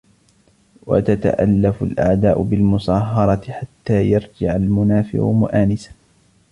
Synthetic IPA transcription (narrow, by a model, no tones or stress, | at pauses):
wa̰t̪at̪a̰ʔalːafʊlʔa̰ʕd̪aːʔʊbɪlmʊsˤɑːɦɑɾˤɑt̪ɪħat̪ːaːjɑɾˤd͡ʒɪʕalmʊnaːfɪ̰ʔʊ̰mʊ̰ʔaːnɪsḁ